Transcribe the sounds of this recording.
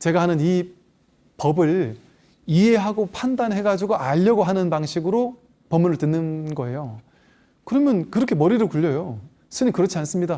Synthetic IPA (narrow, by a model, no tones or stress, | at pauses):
t͡ɕeɡahanɯni | pʌbɯɭ | iɦe̞ɦaɡopʰandanɦe̞ɡad͡ʑiɡoʔaʎːʌɡoɦanɯnpaŋɕʰiɡɯɾo | pʌmːunɯɭtɯnːɯnɡʌe̞jo | kɯɾʌmjʌnkɯɾʌkʰemʌɾiɾɯɭkuʎːʌjo | sʰɯnikɯɾʌt͡ɕʰians͈ɯmɲida